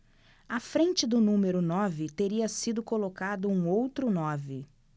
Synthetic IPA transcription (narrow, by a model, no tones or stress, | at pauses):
ɐfɾẽnt͡ʃɪd̪ʊnũmeɾʊnɔvɪt̪eɾiɐsid̪ʊkolokad̪ʊũowt̪ɾʊnɔvɪ